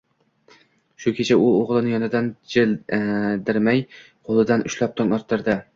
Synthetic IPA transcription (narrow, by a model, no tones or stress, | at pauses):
ʃʊkʲʰet͡ʃʰaʊoʁlˠɨnɪjɒnɪd̪and͡ʒɪld̪ɪɾmaj | qʰolˠɨd̪anʔʊʃlˠap̚t̪ʰɒŋɒɾt̪ʰːɪɾd̪ɪ